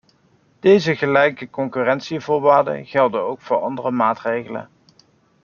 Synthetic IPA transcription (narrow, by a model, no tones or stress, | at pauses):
d̥ejzəχəlɛjkəkɔŋkyːrɛntsivʊːɹʋaːɹdə̰χɛlˠdəowkfʊːɹɑndərəmaːtrejχələ̰n